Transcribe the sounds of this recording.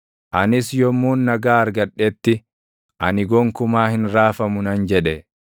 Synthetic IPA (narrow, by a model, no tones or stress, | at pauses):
ʔɐnɪsjɔmːuːnːɐɡaːɐɾɡɐᶑɛt̪ːɪ | ʔɐnɪɡɔŋkʊmaːhɪnɾaːfɐmʊnɐnd͡ʒɛᶑɛ